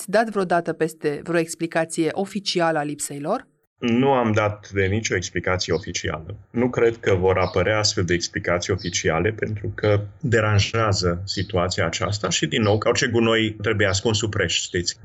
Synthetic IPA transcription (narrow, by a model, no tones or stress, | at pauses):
ad̪at̪vɾeod̪at̪əpe̞st̪e̞vɾeo̞e̞ksplikat̪sije̞ʔo̞fit͡ʃialəalipsejlo̞r | nuamd̪at̪d̪e̞nit͡ʃo̞eksplikat̪sijeo̞fit͡ʃia̰lənukɾe̞d̪kəvo̞ɾʔapəɾeaast̪fe̞ld̪eeksplikat̪sijeo̞fit͡ʃia̰le̞pe̞nt̪ɾukʰəd̪e̞ɾanʒeazəsit̪uat̪siaːt͡ʃa̰st̪aʃid̪inːo̞wkəort͡ʃe̞ɡuno̞jt̪ɾe̞bujeas̬kunsupɾeʃʃt̪it̪sʲ